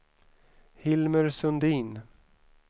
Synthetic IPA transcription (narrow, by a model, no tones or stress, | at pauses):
hɪlməɾsɵnd̪iːn